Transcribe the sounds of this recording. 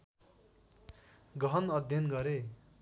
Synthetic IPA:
ɡʌnʌd̪ʱjʌnɡʌɾe

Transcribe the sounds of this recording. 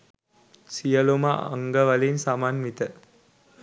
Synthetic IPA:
sijəlomaa̰ŋɡəʋɐlensamanmit̪ə

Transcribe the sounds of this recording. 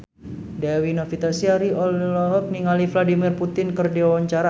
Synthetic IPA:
dawinofit̪asiaɾiʔɔllɔɦɔk̚niŋalifladimirput̪ɪnkərdiwawaɲt͡ʃaɾa

